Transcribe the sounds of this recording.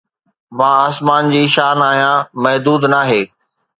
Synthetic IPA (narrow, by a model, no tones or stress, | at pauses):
mãːaːsmaːnd͡ʑiːʃaːnaːɦijãːmɐɦd̪uːd̪naːɦeː